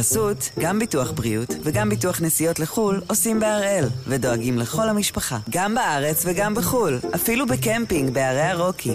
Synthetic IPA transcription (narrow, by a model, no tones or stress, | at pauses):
asutɡambituaχbʁiutveɡambituaχnesijo̞tleχulo̞simbeaʁe̞lvedo̞aɡimle̞χo̞lhamiʃpaχaɡambaʔaʁe̞t͡sveɡambeχulʔafilubekempiŋɡbeaʁejaʁo̞kʰi